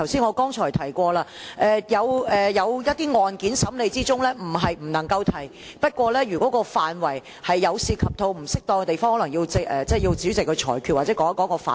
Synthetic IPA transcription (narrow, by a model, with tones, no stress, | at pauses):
ɐ˨˩wsiː˥nŋɔː˨˧kɔː˥ŋt͡ʃʰɔː˨˩jt̪ʰɐ˨˩jkʷɔː˧laː˧ʔɛː˧jɐ˨˧wɛ˨jɐ˨˧wjɐ˥t̚t̪iː˥ŋɔː˨nkiː˨˥nsɐ˨˥mle˨˧jt͡siː˥t͡sʊ˥ŋlɛː˥m̩˨˩ɦɐ˨jm̩˨˩nɐ˨˩ŋkɐ˧wt̪ʰɐ˨˩j | pɐ˥t̚kʷɔː˧lɛː˥ɥyː˨˩kɔː˨˥kɔː˧faː˨nwɐ˨˩j | hɐ˨jːɐ˨˧wsiː˧kʰɐ˨p̚t̪ʰo˨˧wm̩˨˩sɪ˥k̚t̪ɔː˧ŋkɛ˧t̪e˨jfɔː˥ŋhɔː˨˥lɐ˨˩ŋji˧wt͡sɪ˨k̚ɛ˨t͡sɛ˥˩ji˧wt͡siː˨˥wt͡sɪ˨kʰːɵ˧t͡ʃʰɔ̰ː˨˩jkʰyː˨t̚waː˨tt͡sɛː˨˥kɔ˨˥ŋɐ˥kɔː˨˧˥kɔː˧fa̰ː˨